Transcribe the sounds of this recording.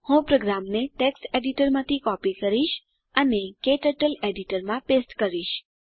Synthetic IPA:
hũpɾoɡɾamneʈeksʈeɖiʈəɾmãt̪ʰikɔpikəɾiʃ | ənekeʈəʈəleɖiʈəɾmãpesʈkəɾiʃ

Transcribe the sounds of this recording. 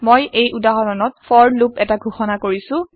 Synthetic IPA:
mojejʔudaɦɔɹɔnɔtfɔɹlupɛtaɡʱuxɔnakoɹisʊ̃

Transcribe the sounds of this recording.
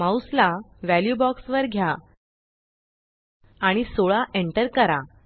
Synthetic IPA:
mawslaʋæljubɔksʋəɾɡʱja | aɽ̃isoɭaʔeɳʈəɾkəɾa

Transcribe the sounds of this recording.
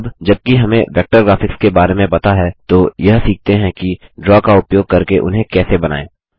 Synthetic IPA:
bd͡ʒɐb̚kiɦɐmẽʋɛːk̚ʈəɾɡɾaːfɪkskebaːɾemẽbɐt̪aɦɛt̪ojɐɦsiːk̚t̪eɦɛ̃kiɖɾɔːkaʊpjoːɡ̚kɐɾkeʔʊ̰nɦẽkɛːsebɐna̰ːẽː

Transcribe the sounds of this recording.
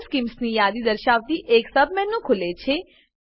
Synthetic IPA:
skiːmsniːjaːd̪iːd̪əɾʃaːʋt̪iːʔeːksəbmɛ̃ːnũːkʰʊleːt͡ʃʰeː

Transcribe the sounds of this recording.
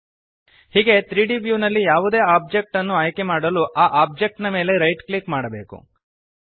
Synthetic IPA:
hiːɡe̞t̪ɾiːɖibjuːnɐlːijaːʋud̪e̞ːaːb̚d͡ʒek̚ʈɐnːuaːjke̞maːɽɐluʔaːʔaːb̚d͡ʒek̚ʈnɐme̞ːle̞ɾɐjʈklikmaːɽɐbe̞ːkṵ

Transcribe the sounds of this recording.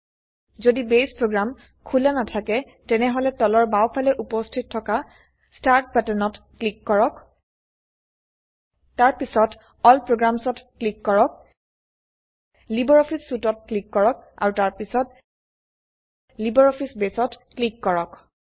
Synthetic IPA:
zodibespɹoɡɹam | kʰulanatʰakɛ | tɛnɛɦɔlɛtɔlɔɹbawpʰalɛʔupɔstʰitʰːɔka | staɹtpatɛnɔt | klikːɔɹɔk | taɹpisɔt | ɔlpɹoɡɹamsɔtklikːɔɹɔk̚ | libɔɹɔpʰisːutɔt̚klikːɔɹɔk̚a̰ɹutaɹpisɔt̚ | libɔɹɔpʰisbesɔtklikːɔɹɔk

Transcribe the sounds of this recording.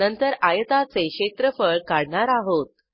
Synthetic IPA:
ənt̪əɾajət̪at͡seɕet̪ɾəfəɭkaɽɳaɾaɦot̪̚

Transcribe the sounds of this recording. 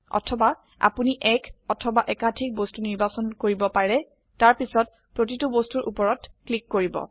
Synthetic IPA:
ɔ̰tʰɔba | a̰puniʔɛkɔtʰɔbaʔɛkadʰʱik̚bostuniɹbasɔnkoɹibɔpaɹɛ | taɹpisɔt̚ | pɹotitubostuɹʔṵpɔɹɔtklikːoɹibɔ̰

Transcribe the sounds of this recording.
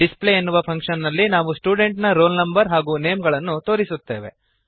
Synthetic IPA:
ɖispleenːuʋɐpʰɐŋkʂɐnːɐlːinaːʋusʈuːɖe̞ɳʈnɐɾoːlnɐmbɐɾɦaːɡuːne̞ːmɡɐɭɐnːut̪o̞ːɾisut̪ːe̞ːʋe̞

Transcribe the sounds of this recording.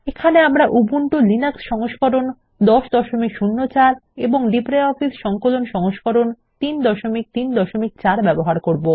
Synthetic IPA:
ekʰaneamɾaʔubuɳʈolinaksʃɔŋoʃkoɾon | d̪ɔʃd̪ɔʃomikʃunːot͡ɕaɾeboŋɖipɾeɔfisʃɔŋkolonʃɔŋoʃkoɾon | t̪ind̪ɔʃomik̚t̪ind̪ɔʃomik̚t͡ɕaɾbɛboɦaɾkoɾbo

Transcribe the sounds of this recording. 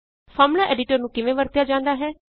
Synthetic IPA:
fʰɔːɾmlaːʔɛːɖɪʈəɾnũːkɪʋẽːʋəɾt̪jaːd͡ʒãːnd̪aːɦɛː

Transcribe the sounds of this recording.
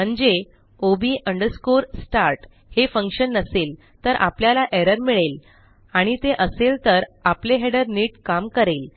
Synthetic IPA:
m̤əɳd͡ze | obiːʔəɳɖəɾskuɾsʈaɾʈ | hefəŋkʂənːəsel | t̪əɾʔa̰pljalaʔeɾəɾmiɭel | aɽ̃it̪eʔəselt̪əɾapleɦeɽəɾniːʈkamkəɾel

